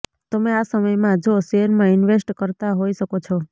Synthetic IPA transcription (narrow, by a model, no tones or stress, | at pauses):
t̪əmẽasəməjmãd͡ʒoseɾmãɪnʋesʈkəɾt̪aɦoiʃəkot͡ʃʰɔ